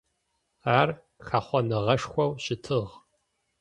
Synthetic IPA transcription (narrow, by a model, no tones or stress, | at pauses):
aːr | xaːχʷɔnɨʁɐʂxʷɔwɕɪtʰɨʁ